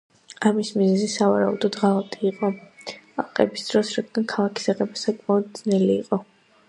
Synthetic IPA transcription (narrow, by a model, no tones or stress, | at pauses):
amismizɛzisavaɾaud̪ɔd̪ʁalˠat̪ʼiːqʼɔa̰qʼɛbisd̪̥ɾɔsɾad̪ɡankʰalˠakʰi̥saqʼɛbasakʼmaɔd̪̚d̪znɛliːqʼɔ